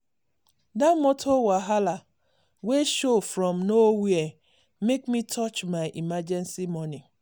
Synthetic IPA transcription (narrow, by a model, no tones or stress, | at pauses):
damɔtʰowaɦala | weʃofɾɔ̃mnowee | mekmitʰɔt͡ʃmaɪʔimad͡ʒɛnsimɔni